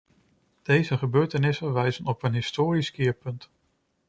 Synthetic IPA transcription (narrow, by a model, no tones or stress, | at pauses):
d̥ejzəχəbøːɹtənɪsənʋɛjzənɔpənɦɪstoːɾiskɪːɹpɵnt